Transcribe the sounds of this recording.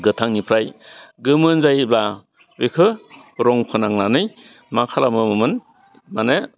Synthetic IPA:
ɡɯtʰaŋnipʰɾajɡɯmɯnzajba | bekʰɯ | ɾɔŋpʰɯnaŋnanɯj | makʰalamɯmɯmɯn | manɯ

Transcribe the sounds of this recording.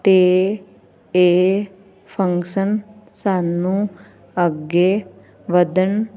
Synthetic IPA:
t̪eː | eː | pʰəŋkʃənsaːnũː | əɡeː | ʋəd̪ən

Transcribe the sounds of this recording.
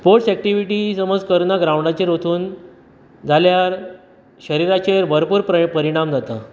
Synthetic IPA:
spoɾʈsɛk̚ʈiʋiʈiːsəməd͡zkəɾnaɡɾawɳɖat͡ɕeɾot̪ʰuːn | d͡zʱaljaɾ | ɕəɾiɾat͡ɕeɾbʱəɾpuːɾppəɾiɽ̃amd͡zat̪a

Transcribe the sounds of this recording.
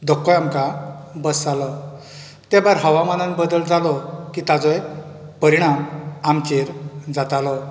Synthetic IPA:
d̪ɔkːɔjamkabəsalɔ | t̪ɛbaɾɦəʋamananbəd̪əld͡zalɔkiːt̪ad͡zɔj | pəɾiɽ̃amamt͡ɕeɾd͡zat̪alɔ

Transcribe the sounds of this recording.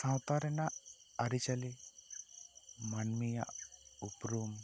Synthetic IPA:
sɐwt̪aɾɛnɐ | ɐɾit͡ʃɐli | mɐnmijɐ̰upɾuːm

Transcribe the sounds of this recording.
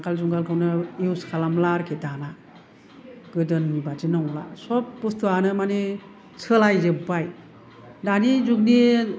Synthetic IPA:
aŋkʰalzuŋɡalkʰɯwnɯiwskʰalamlaɾkʰedana | ɡɯdɯnːibad͡ʒinɔŋla̰sɔp̚ːustuanɯmane | t͡sʰɯlajzɯbaj | danizuk̚ni

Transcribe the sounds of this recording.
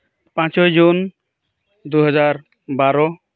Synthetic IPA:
pãt͡ʃɔjd͡ʒun | d̪uɦɔd͡ʒaɾ | baɾɔ

